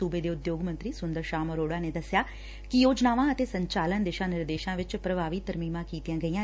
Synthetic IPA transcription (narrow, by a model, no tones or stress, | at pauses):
uːbeːd̪eːʊd̪joːɡmə̃nt̪ɾiːsʊnd̪əɾʃaːməɾoːɽaːneːd̪əsɪjaː | kɪjoːd͡ʒnaːʋãːət̪eːsəɲt͡ʃaːlənd̪eːʃãːnɪɾd̪eːʃãːʋɪt͡ʃpɾəbaːʋit̪əɾmiːmãːkiːt̪ijãːɡəiːãː